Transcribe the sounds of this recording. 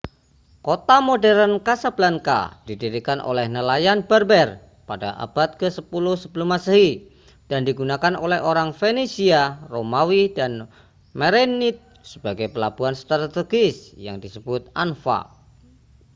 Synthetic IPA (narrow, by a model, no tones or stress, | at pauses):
kot̪amodɛɾənkasab̥laŋka̰d̥idiɾikanʔo̰lɛhnəlajanbɛrbɛr | padaʔa̰b̥at̪̚kəsəpulʊhsəbəlʊmasəɦi | d̥andiɡunakanolɛɦoɾaŋfenesiaromawidan | meɾenit̪̚ | sə̥baɡajpəlab̥uanst̪ɾat̪eɡɪsjaŋdisəb̥ʊt̪̚anfa̰